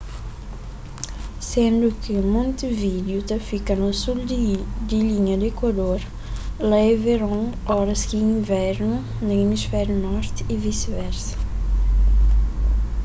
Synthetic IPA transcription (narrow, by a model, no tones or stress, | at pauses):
sẽnd̪ukɪmõnt̪ivid̪ut̪ɐfikɐnosuld̪iliɲɐd̪ekwad̪oɾ | laeveɾɔ̃ŋ | ɔɾɐskiĩŋvɛɾnu | nɐemisfɛɾjunɔɾt̪ivisvɛɾsɐ̥